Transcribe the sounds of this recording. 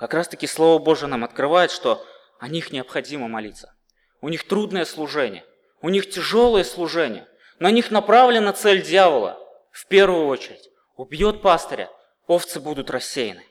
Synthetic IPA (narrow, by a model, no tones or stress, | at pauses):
kɐkɾast̪əkʲɪslˠo̞vəbo̞ʐɨənamɐt̪kɾɨvajɪt̪ʂt̪o̞ | ɐnʲixnʲɪəpxɐdʲiməmɐlʲit̪sːə | ʊnʲixt̪ɾud̪nəjəslˠʊʐɛnʲɪ̰jə | ʊnʲixtʲɪʐo̞lˠəjəslˠʊʐɛnʲɪ̰jə | nɐnʲixnɐpɾavlʲɪnət̪sɛlʲdʲjavəlˠə̰ | fpʲervʊjʊo̞t͡ɕɪɾʲɪtʲ | ʊbjo̞t̪̚past̪əɾʲə̰ | o̞ft̪sɨbud̪ʊt̪rɐsʲːejɪ̰nɨ